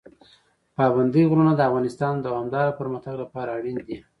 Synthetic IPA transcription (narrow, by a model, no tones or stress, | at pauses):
pɑband̪əjɣɾunad̪əafɣɑnɪst̪ɑnd̪əhamd̪ɑɾapəɾmaxt̪aɡlapɑɾaːɽind̪i